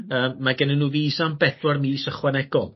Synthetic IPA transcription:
əːmːaɡɛnɪnuːviːsambɛdwarmiːsəχwanɛɡ̥ɔlˠ

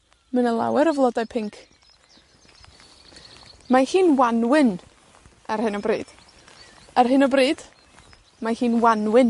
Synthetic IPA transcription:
mənəlˠa̰wɛɾəvlˠɔdajpʰɪŋkʰ | mahiːnwanwɪn | arhɨnɔbrḭːd̥ | arɦɨnɔbriːd̥ | mahiːnwanwɪn

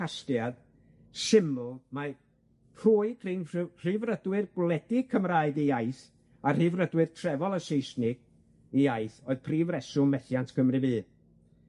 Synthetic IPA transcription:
astjad̥ | sɪmlˠma | hʰuːɨɡʰr̥inr̥ɨːvrədwɪrɡlˠɛdɪkʰəmraːɨdiaɨθ | ar̥ɨːvrədwɨrtʰrɛvɔlˠəsejsnɪɡ̥ | iaɨθoːɨðpʰriːvrɛsʊmːɛθjantkʰəmrɨvɨː

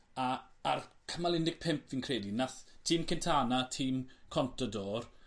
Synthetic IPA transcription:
aarkʰəmalˠɪnɪɡ̥̚pʰɪmpʰvinkʰreːdinaθtʰiːmkɛntʰaːnatʰiːmkʰɔntʰɔdɔːr

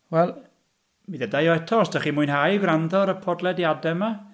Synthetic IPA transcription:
wɛlˠ | miðɛdajɔɛtʰɔsd̥aχimʊɨnhajɡwrandɔɾəpʰɔdlˠɛdjadɛma

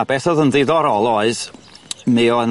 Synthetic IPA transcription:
abɛθɔðəndɪðɔɾɔlˠoɨð | mɪɔən

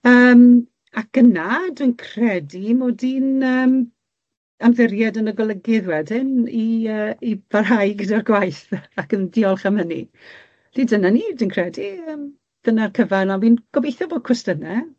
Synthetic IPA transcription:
əːm | ak̚ənadwinkʰr̥ɛdimoːdinəːm | amðɪrjadənəɡɔlˠəɡɪðwɛdɪniəːib̥arɦajɡədarɡwajθakəndɪɔlˠχamənḭ | d̥idənaniːdwiːnkʰrɛdiəːm | d̥ənarkʰəvanawinɡ̥ɔbejθɔboːd̥̚kʰʊstənɛ

